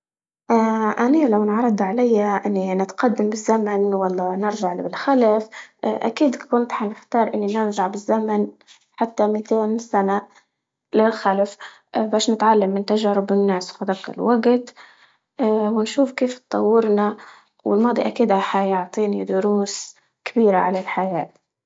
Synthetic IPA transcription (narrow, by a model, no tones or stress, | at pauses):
ʔaʔaniːlawnʕɑɾˤɑd̪ˤʕalajːaʔɪnːinɪt̪qɑd̪ːambɪzːamanwɑlˤːɑːnɪɾʒaʕlbɪlxalafʔa̰kiːd̪kʊnt̪ħanɪxt̪ɑːɾˤʔɪnːinɪɾʒaʕbɪzːaman | ħat̪ːamit̪eːnsana | lɪlxalaf | baːʃnɪt̪ʕalːamːɪnt̪aʒaːɾɪbɪnːaːswfad̪akɪ̰lwaɡt̪ː | wɪnʃuːfkeːft̪t̪ˤɑ̰wːɪɾna | wɪlmɑːd̪ˤiʔakiːd̪aħajʊʕt̪ˤiːnid̪ʊɾuːs | kɪbiːɾaʕalalħajaːt̪